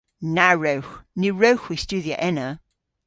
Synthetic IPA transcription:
naɹəʊxnʉːɹəʊxwistʉːðiəʔɛnə

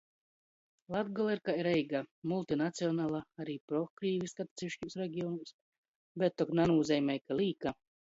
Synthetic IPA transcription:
lˠad̪ɡɔlˠeɾkaiɾɛjɡamulˠt̪inat̪siɔnaːlˠaaɾiːpɾɔkɾiːvʲiskat̪t̪sʲiiʃcʲiwsɾɛɡʲiɔnuːs | bɛt̪ːɔknanuːzʲɛjmʲɛjkalʲiːka

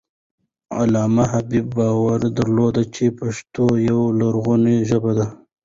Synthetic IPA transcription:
a̰lɑːmaɦabibːɑwaɾd̪aɾlod̪at͡ʃepaʂt̪ojawlaɾɣuneʒəbad̪a

